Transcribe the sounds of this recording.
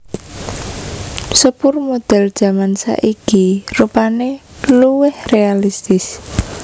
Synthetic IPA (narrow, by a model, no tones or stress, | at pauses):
səpʊrmod̪̥ɛ̤ld̥ʒ̥a̤mansa̰ʔikirupaneluwɪhrealist̪ɪs